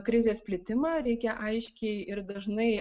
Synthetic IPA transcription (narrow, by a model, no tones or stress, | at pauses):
kɾʲɪzʲeːsʲpʲlʲɪt̪ʲɪmɑɾʲɛɪkʲɛʔɐɪʃʲkʲɛɪɪɾd̪ɐʒnɐɪ